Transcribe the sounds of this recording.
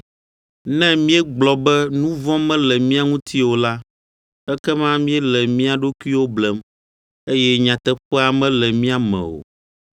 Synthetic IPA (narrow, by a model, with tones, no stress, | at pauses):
nɛ̃˦mĩ˦ɛ˦ɡ͡blɔ˨bɛ˦nũ˦vɔ̃˦mɛ̃˦lɛ˨mĩ˦a˦ŋũ˦t̪ʰi˦wo˨la˦ | ɛ˦kɛ˦mã˦mĩ˦ɛ˦lɛ˨mĩ˦a˨ɖo˦ku˦i˦wo˦blɛ˦m | e˦jɛ˦ɲã˨t̪ɛ˦ɸɛ˦a˨mɛ̃˦lɛ˨mĩ˦a˨mɛ̰̃˨o̰˨